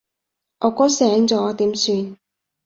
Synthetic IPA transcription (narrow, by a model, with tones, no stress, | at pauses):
ʔɔː˨˧kɔː˨˥sɛː˨˥ŋt͡sɔː˨˥t̪iː˨˥msyː˧n